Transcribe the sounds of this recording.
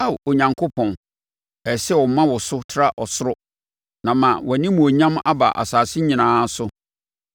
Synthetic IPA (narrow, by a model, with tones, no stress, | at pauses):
a˦˨o˨ɲã˨ŋkʰo˦pʰɔ̃˨n | ɛ˨sɛ˦wɔ˨˦mã˦wɔ˨sʊ˦tʰɾa˦ʔɔ˨sʊ˦ɾʊ˦ | nã˨mã˨wɔ˨nĩ˦mũ˨o˨ɲã˦ma˦ba̰˨ʔa̰˨saː˨sɪ˦ɲĩ˨nãː˦sʊ˦